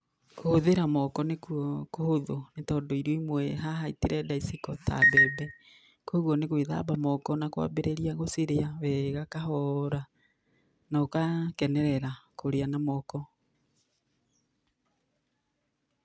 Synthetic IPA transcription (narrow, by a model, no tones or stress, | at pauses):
kohoðeɾamɔkɔnekwɔkohoðonetɔːndɔiɾoimwɛɦaɦaiteɾɛdaisikɔtʰa̰bɛbɛ | kwɔɣwɔneɣweða̰bamɔkɔnakwa̰beɾeɾiaɣosiɾeawɛɣakahɔɾa | naokakɛnɛɾɛɾakoɾeanamɔkɔ